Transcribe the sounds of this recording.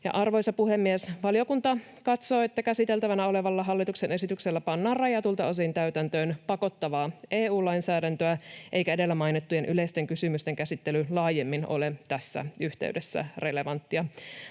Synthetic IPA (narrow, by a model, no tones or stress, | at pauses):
jɑ̰ʔɑrʋo̞jsɑpuhemːiesʋɑljo̞kunt̪ɑ | kɑt̪so̞ːet̪ːækæsit̪elt̪æʋænæo̞le̞ʋɑlːɑɦɑlːit̪uksene̞sit̪ykselːæpɑnːɑːrrɑjɑt̪ult̪ɑos̬int̪æyt̪ænt̪øːnpɑko̞t̪ːɑʋɑːʔeːuːlɑinsæːdænt̪øæʔe̞jkæede̞lːæmɑjnet̪ːujenʔyleist̪eŋkysymyst̪eŋkæsit̪ːelylɑːjemːino̰let̪æsːæ̰yht̪ḛʉdesːæ̰rele̞ʋɑnt̪ːiɑ